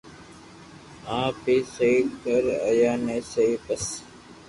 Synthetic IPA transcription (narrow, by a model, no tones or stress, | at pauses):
ãːpeːsəiːkəɾə̰jaːnẽːsəiːpəs